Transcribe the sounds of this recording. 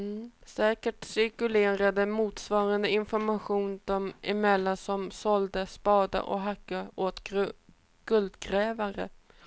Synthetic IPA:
sɛːkəʈsɪɾkɵleːɾad̪əmuːt̪svɑːɾand̪əɪnfɔɾmaɧuːnd̪ɔmɪmɛlːansɔmsɔld̪əspɑːd̪a̰ʔɔ̰ɦakːaoːt̪ | ɡ̥ɵld̪ɡɾɛːvaɾə̰

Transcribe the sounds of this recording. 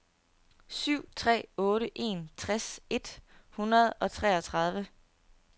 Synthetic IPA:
syʊ̰t͡sʰʁɛ̰ːɔ̽ːɾəʔe̝̰ːnt͡sʰʁase̝d̥hunɐð̞ˠɒ̽t͡sʰʁɛ̰ːɒt͡sʰʁɑ̈ð̞ˠʋə

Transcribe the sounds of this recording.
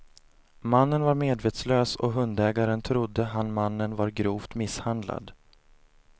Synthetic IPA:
manːənvaɾmeːd̪veːt̪sløːsɔ̰ɦɵnd̪ɛːɡaɾənt̪ʰɾʊd̪ːəɦanmanːənvaɾɡɾuːft̪mɪshand̪la̰d̪

